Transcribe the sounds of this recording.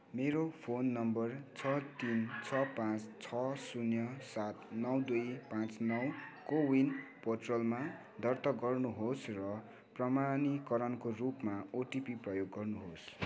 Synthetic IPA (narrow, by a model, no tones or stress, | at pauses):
meɾopʰonːʌmbʌrt͡sʰʌt̪int͡sʰʌpãt͡st͡sʰʌsunjʌsat̪nʌwd̪ujpãt͡snʌwkowinpoʈrolma | d̪ʱʌrt̪ʌɡʌrnuɦosrʌ | prʌmanikʌɾʌnkorupmaoʈipiprʌjoɡːʌrnuɦos